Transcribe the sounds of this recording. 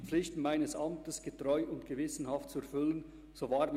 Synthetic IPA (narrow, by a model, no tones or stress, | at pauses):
flɪçtn̩maɪnəsʔɑmtəsɡ̥ətʁ̥ɔʏʔʊntɡ̥əvɪsən̩hɑft̚t͡suɛɾfʏlən | z̥oːvaːɾm